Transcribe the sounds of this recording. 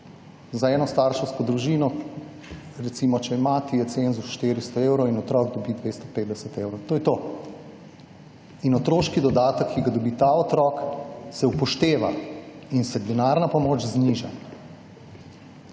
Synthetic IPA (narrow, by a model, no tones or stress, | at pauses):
zaɛːnɔst̪aɾʃɛwskɔd̪ɾuʒiːnɔ | ɾɛt̪simɔt͡ʃɛɛmaːt̪ijɛt̪senzusʃt̪eːɾist̪ɔewɾɔwinɔt̪ɾɔːɡ̚d̪ɔbid̪ʋest̪ɔ̥ped̪d̪ɛsɛt̪eːwɾɔwt̪oːjɛt̪o | inɔt̪ɾoːʃkid̪ɔd̪aːt̪əkʰːiɡad̪ɔbiːt̪aɔt̪ɾɔːksɛupɔʃt̪eːʋa̰insɛd̪ɛnaɾnapɔmoːt͡ʃzniːʒa̰